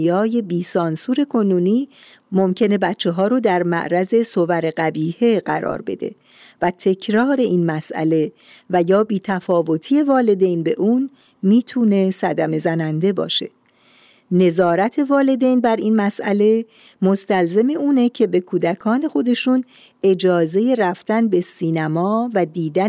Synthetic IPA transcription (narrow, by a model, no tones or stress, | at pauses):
ɒːje̞biːsɒːnsuːɾe̞kʰo̞nuːniː | mo̞mcʰe̞ne̞bætt͡ʃʰːe̞ɦɒːɾoːd̪æɾmæ̰ʔɾæze̞sovæɾeɢæbiːhe̞ɢæɾɒ̰ːɾbe̞̰d̪e̞̰ | væt̪ʰecʰɾɒːɾe̞iːnmæsʔæ̰le̞ | væjɒːbiːt̪ʰæfɒːvo̞t̪ʰiːe̞vɒːle̞d̪e̞jnbe̞ʔuːn | miːt̪ʰuːne̞sæd̪æme̞zænænd̪e̞bɒ̰ːʃe̞ | ne̞zɒːɾæt̪ʰe̞vɒːle̞d̪e̞jnbæɾinmæsʔæle̞ | mo̞st̪ælze̞meuːne̞cʰe̞be̞kʰuːd̪ækʰɒːne̞xo̞d̪e̞ʃuːn | e̞d͡ʒɒːze̞je̞ræft̪ænbe̞siːnæmɒːvæd̪iːd̪æ